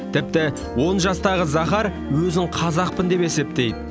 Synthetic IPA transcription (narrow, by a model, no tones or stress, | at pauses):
t̪ʰɪp̚t̪ɪ | wo̞nʒɑst̪ɑʁəzɑχɑɾ | wɵzɪŋqʰɑzɑq̚pənd̪e̞pe̞se̞pt̪e̞jd̪ɪ